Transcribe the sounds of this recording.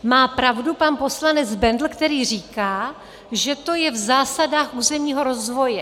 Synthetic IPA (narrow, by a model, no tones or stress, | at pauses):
maːpɾavdupanpo̞slanɛd͡zbɛndl̩kt̪ɛɾiːr̝iːkaː | ʒɛt̪o̞jɛvzaːsadaːxʔuːzɛmɲiːɦo̞ɾo̞zvo̞jɛ